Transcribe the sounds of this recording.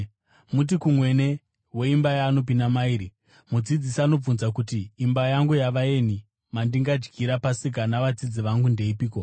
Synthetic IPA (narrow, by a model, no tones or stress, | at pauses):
mut̬ikumwe̞ne̞ | we̞imbajaːno̞p̬indamaiːɾi | mud͡zid͡zisaːno̞b͡vunzak̬utiːmbajaŋɡujaʋae̞ni | mandiŋɡad͡ʒɡiɾapasik̬anaʋad͡zid͡ziʋaŋɡunde̞ipiːko